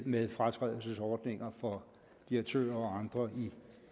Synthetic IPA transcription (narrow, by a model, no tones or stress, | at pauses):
meðˠfʁɑ̈t͡sʰʁɛ̰ðˠl̩səsɒːd̥ne̝ŋɐfɒ̽ | d̥iɐɡ̥̚t͡sʰø̰ːɐɒ̽ɑ̈nd̥ʁɐi